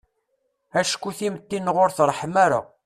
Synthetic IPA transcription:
æʃkːuθimət̪ːinːʁoɾθrˤːħmæɾa̰

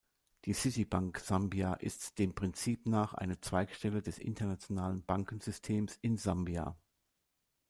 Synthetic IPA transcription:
d̥iːsɪtibaŋkz̥ambiaʔɪ̰std̥eːmpʁ̥ɪnt͡siːpnaːχʔa̰ɪnət͡sv̥aɪkʃtɛlədɛsʔɪ̰ntɐnat͡sjonaːlənbaŋkn̩zʏstʰeːmsɪnzambia̰

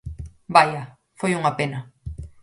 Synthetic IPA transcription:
bajɐ | fojuŋɐpenɐ

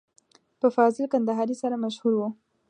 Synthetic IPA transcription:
pəfɑzɪlkand̪aɦɑɾisaɾamaʃhuɾwu

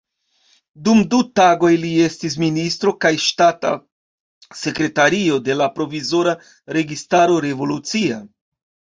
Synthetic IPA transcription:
dumdutaɡo̞jlie̞stis̬ministɾo̞kajʃtata̰ | se̞kɾe̞taɾio̞de̞lapɾo̞vizo̞ɾa | ɾe̞ɡistaɾo̞ɾe̞vo̞lut͡sia̰

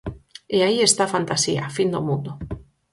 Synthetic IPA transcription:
eaiest̪afant̪asia̰find̪omũnd̪o

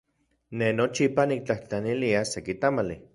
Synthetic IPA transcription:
nenot͡ʃipanik̚t͡ɬaht͡ɬaniliasekit̪amali

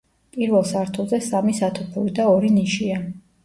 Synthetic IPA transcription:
pʼiɾvɛlˠsaɾt̪ʰulˠzɛsamisat̪ʰɔpʰɛlid̪aɔɾiniʃia

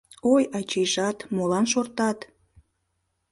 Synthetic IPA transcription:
ojɑt͡ɕejʃɑt̪molɑnʃort̪ɑt̪

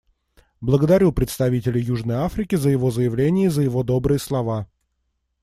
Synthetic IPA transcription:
blˠəɡəd̪ɐɾʲupɾʲɪt̪st̪ɐvʲitʲɪlʲɪjjuʐnəjafɾʲɪkʲɪzəjɪvo̞zəjɪvlʲenʲɪjəzəjɪvo̞d̪o̞bɾɨjəslˠɐva

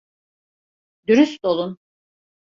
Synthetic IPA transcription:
d̪yɾyst̪olˠun

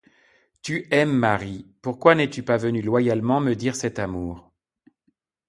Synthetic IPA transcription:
t̪yɛmːaʁipuʁkwanɛt̪ypavənylwajalmɑ̃məd̪iʁsɛt̪amuːʁ

